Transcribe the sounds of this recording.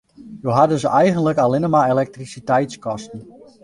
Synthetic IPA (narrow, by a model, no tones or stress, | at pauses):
jowɦadəzəʔɛjɣənləkalɪnəmaelɛk̚trisitɛjtskɔstn̩